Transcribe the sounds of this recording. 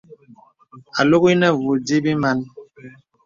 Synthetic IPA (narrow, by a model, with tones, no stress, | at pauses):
a˨lo˦ki˦nɛ˦vu˨di˦bi˦ma˦n